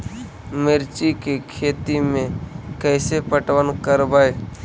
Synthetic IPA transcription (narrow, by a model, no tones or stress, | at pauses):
mɪɾt͡ʃikekʰeːt̪imẽkɛːsepəʈwənkəɾbae